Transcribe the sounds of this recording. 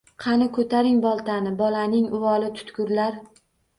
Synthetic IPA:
qʰɑnɪkʰɵt̪ʰaɾɪŋbɒlˠt̪ʰanɪbɒlanɪŋʊwɒlɪt̪ʰʊ̥t̪kʊɾlaɾ

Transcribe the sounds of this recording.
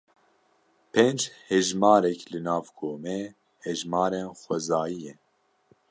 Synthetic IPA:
pʰend͡ʒhɛʒmɑːɾɛklɨnɑːvkʰoːmɛ | hɛʒmɑːɾenxʷɛzaːjijɛ

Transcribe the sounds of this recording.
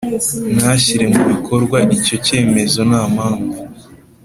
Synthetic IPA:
naçiɾe̞muβikʰo̞ɾɡwaʔico̞ce̞ːme̞zo̞naːmhaːɱvu

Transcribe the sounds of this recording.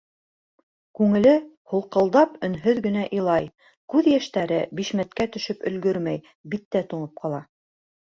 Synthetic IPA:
kʉŋɘ̆lɘhulˠqɤ̆lˠd̪ɑpɵ̆nɦɵðɡɘ̆n̪æʔilˠɑj | kʉðjæʃt̪æɾɘbiʃmæt̪kæt̪ɵ̆ʃɵpɵ̆lɡɵɾmæj | bit̪ːæt̪uɴɤp̚qɑlˠɑ

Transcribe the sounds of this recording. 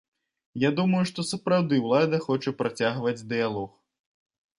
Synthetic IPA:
jad̪umɐjuʂt̪ɔsɐpɾawd̪ɨwlˠad̪ɐxɔt͡ʂɐpɾat͡sʲaɣvɐd͡zʲd̪ɨjalˠɔx

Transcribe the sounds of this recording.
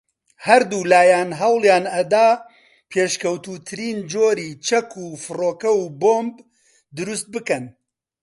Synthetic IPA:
hɐɾd̪uːlaːjaːnɦɐwlˠjaːnɐd̪aː | pʰeːʃkɐwt̪uːt̪ʰɨɾiːnd͡ʒoːɾiːt͡ʃʰɐkʰuːfɨroːkɐwboːmb | d̪ɨɾust̪̚bɨkɐn

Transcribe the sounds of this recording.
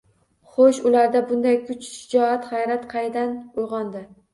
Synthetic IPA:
χoʃʊlaɾd̪abʊnd̪ajkʰʊt͡ʃʃɪd͡ʒɒat̪χɑjɾat̪qʰɑjd̪anʊjʁɒnd̪ɪ

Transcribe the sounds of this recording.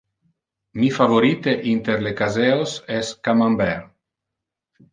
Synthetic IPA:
mifavoɾit̪eʔint̪eɾlekazeosɛskamambɛɾ

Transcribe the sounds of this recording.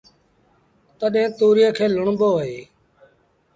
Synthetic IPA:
t̪əɗɦẽːt̪uːɾɪjẽːkʰeːlʊɳɓoːeː

